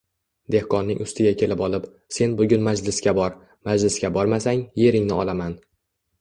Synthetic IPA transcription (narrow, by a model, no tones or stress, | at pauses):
d̪̥e̞hkʰɒnːɪŋʊst̪ʰɪɡʲakʲʰe̞lɪpɒlˠɪp | se̞nbʊɡʲʊnmad͡ʒlɪskʲabɒɾ | mad͡ʒlɪsɡʲabɒɾmasaŋje̞ɾɪŋnɪɒlˠaman